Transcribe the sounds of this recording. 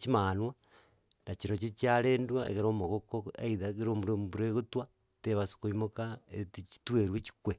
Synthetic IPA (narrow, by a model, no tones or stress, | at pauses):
t͡ʃimanwa | nat͡ʃiɾot͡ʃit͡ʃjaɾeːndwaḛɣeɾomoɣokoeiðaɣeɾomuɾombuɾeɣotwa | teβaso̥koimokaetit͡ʃi̥tweɾwet͡ʃi̥kwe